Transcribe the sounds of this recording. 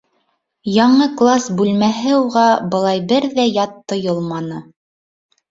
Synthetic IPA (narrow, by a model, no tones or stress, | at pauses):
jɑɴɤklˠasbʉlmæɦɘuʁɑbɤ̆lˠɑjbɘɾðæjɑt̪ːŏjɤlˠmɑnɤ